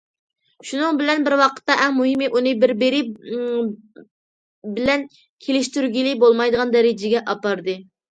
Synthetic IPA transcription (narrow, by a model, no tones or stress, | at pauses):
ʃunɨŋbɪlɛnbɪɾwɑqʰə̥t̪ːɑʔɛŋmuɦɪmɪʔunɨbɪɾbɪɾɪ | bɪlɛn | kʲʰelɪʃt̪yɾɡʲilɪbolˠmɑjd̪əʁɑnd̪ɛɾɪd͡ʒɪɡʲɛʔɑpɑɾd̪ɨ